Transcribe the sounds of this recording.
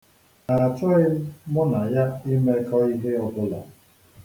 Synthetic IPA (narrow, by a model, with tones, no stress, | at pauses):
na˨a˨t͡ʃɔ˦ɪ˦mʊ˦na˨ja˦i˦me˦kɔ˦i˦ɦe˦ɔ˨bʊ˦la̰˨